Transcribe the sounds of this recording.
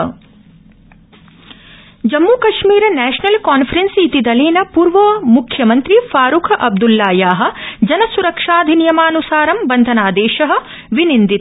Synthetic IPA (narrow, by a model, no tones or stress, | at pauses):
d͡ʒɐmːuːkɐʃmiːɾɐnɛːʃɐnɐlkaːnfʰɐɾensit̪id̪ɐleːnɐpuːɾʋɐmukʰjɐmɐnt̪ɾifaːɾukʰɐʔɐb̚d̪ulːaːjaːɦɐ̆d͡ʒɐnɐsuɾɐkʂaːd̪ʱinijɐmaːnusaːɾɐmbɐnd̪ʱɐnaːd̪eːʃɐɦɐ̆ | ʋinind̪it̪